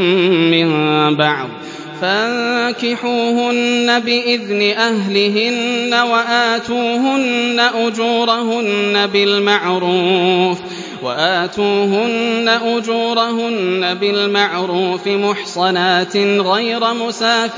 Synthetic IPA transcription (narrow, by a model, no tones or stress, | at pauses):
ɪmbɑʕd̪ˤ | faðkɪħuːhʊnːabɪʔɪðnɪʔahlɪɦɪnːawaʔaːt̪uːɦʊnːaʔʊd͡ʒuːɾˤahʊnːabɪlmaʕɾuːf | waʔaːt̪uːɦʊnːaʔʊd͡ʒuːɾˤaɦʊnːabɪlmaʕɾuːfɪmʊħsˤɑnaːt̪ɪɣajɾamʊsaː